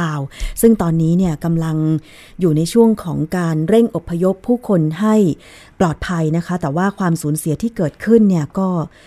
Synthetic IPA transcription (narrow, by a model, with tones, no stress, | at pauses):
aː˧wsɯ˥˩ŋt̪ɔː˧nːiː˦˥ni˥˩ɐka˧mla˧ŋ | juː˨˩na˧jt͡ɕʰu˥˩əŋkʰɔː˩˦ŋkaː˧nɾe˥˩ŋʔo˨˩pʰːa˧jo˦˥pʰːuː˥˩kʰo˧nɦa˥˩j | plɔː˨˩t̪̚pʰa˧jna˦˥kʰa˦˥t̪ɛː˨˩waː˥˩kʰwaː˧msuː˩˦nsi˨˩˦t̪ʰiː˥˩kɤː˨˩t̪̚kʰɯ˥˩nːi˥˩ɐkɔː˥˩